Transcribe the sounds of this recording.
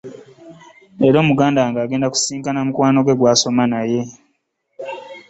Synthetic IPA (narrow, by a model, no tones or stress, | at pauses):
eɾo̞ːmuɡaːndaŋɡaːɡe̞ːndaku̥siːŋkanamukwaːno̞ɡwe̞ɡwaːso̞manaje̞